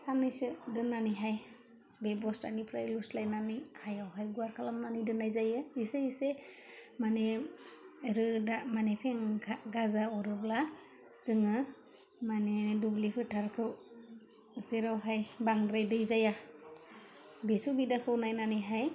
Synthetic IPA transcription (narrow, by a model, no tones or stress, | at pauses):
sanɯjsɯdɯnanɯjɦaj | bebɔsta̰nipʰɾajlustlajnanɯjhajawɦajɡuaɾkʰalamnanɯjdɯnajzajɯiseise | mane | ɾɯdamanepʰeŋʰaɡazaɔɾɯbla | z̥ɯŋɯ | manedublipʰɯtʰaɾkʰɯw | zeɾawɦajbaŋdɾajdɯjzaja | besubidakʰɯwnajnanɯjɦaj